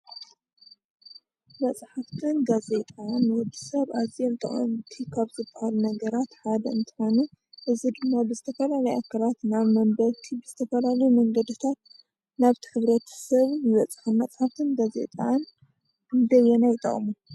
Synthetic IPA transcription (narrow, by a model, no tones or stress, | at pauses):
mɐt͡sʼħaft̪ʰɨnɡaze̞t̪ʼanwɔd̪i̥sɐβʔazɛlt̪ʰɐχʼɔ̰nt̪ʰikʰaβzɨbɐhalunɐɡɐɾat̪ħad̪ɐɨnt̪ʰɨ̥xonɨ | ʔɨzid̪ɨmːabɨzɨt̪ʰɐfɐlalɐjakʰɐlat̪naβmɐmbɐβt̪ʰibɨz̥ɨt̪ʰɐfɐlalɐjumɐŋɡɐd̪ɨt̪ʰat̪̚ | naβt̪ʰɨ̥ħɨβɾɐt̪ʰɐ̥sɐβjɪβɐt͡sʼħɨnmɐt͡sʼħaft̪ʰɨnɡaze̞̰t̪ʼan | ɨnd̪ɐjɛnajt̪ʼɐ̰χʼmu